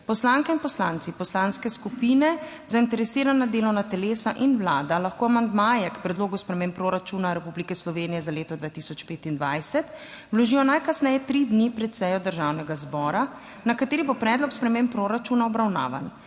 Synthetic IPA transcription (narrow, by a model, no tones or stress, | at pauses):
pɔslaŋkɛinpɔslant̪sipɔslanskɛskupiːnɛ | zaint̪ɛɾɛsiːɾanad̪eːlɔwnat̪ɛleːsaʔinwlaːd̪alaxkoːamand̪majɛkpɾɛd̪loːɡuspɾɛmeːmpɾoːɾat͡ʃunaɾɛpublikɛslɔʋeːnijɛzaleːt̪ɔd̪ʋaːt̪isɔt͡ʃpeːt̪ind̪ʋajsɛt̪ | wlɔʒiːjɔnajkasnɛjɛt̪ɾid̪nipɾɛt̪sɛjɔd̪əɾʒawnɛɡazbɔɾa | nakat̪eːɾibopɾɛːd̪lɔkspɾɛmẽmpɾoɾat͡ʃuːnaɔbɾawna̰ːʋa̰n